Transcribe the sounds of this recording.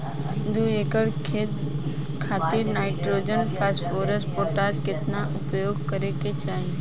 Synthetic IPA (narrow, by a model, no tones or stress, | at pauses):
d̪uekəɽkʰe | kʰaːt̪iɾnaːɪʈɾod͡ʒənpʰɛːsfoːɾəspoʈaːd͡ʒkɪt̪naʔʊpjoːɡ̚kəɾeket͡ʃaːɦi